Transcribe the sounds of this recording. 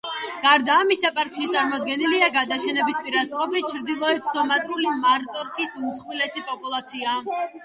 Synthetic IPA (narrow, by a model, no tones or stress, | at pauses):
ɡ̥aɾd̪aːmisapʼaɾkʼʃit̪sʼaɾmɔd̪ɡɛniliaɡad̪aʃɛnɛbispʼiɾasqʼɔpit͡ʃʰɾd̪ilˠɔɛt̪sɔmat̪ʼɾulimaɾt̪ʼɔɾkʰisunt̪sʰχwilɛsipʼɔpʼulˠat̪sʰia